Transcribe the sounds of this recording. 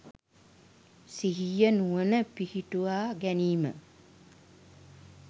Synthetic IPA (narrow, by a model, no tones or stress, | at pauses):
siɦijənuənəpihiʈuaːɡæniːmə̰